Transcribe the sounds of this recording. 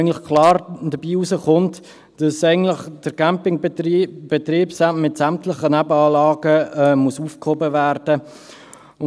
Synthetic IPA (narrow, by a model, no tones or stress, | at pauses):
ən̩tlɪχkʰlɑːɾd̥əbiːusəχʊnt | d̥ɑsæɪɡən̩tlɪχd̥əɾɡ̥æmpɪŋb̥ɛtriːbsamɪtsæmtlɪχənæbəɑːlɑːɡəɛmusuːfkhobəværd̥ə | ʊ